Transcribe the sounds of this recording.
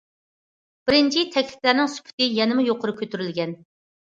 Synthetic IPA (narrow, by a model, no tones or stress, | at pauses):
b̥ɪɾɪnt͡ʃʰit̪ʰɛkʲlɪ̥plæɾnɪŋsy̥pʰɪ̥t̪ɪjɛnɪmɨjoqʰʊɾʊkʲʰøt̪ʰyɾylɡʲɛn